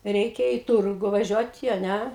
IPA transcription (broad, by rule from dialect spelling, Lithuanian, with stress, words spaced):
ˈrʲɛɪkʲɛ ɪ ˈtʊrɡʊ ʋɐˈʒʲuɔtʲɪ ɐ ˈnʲæ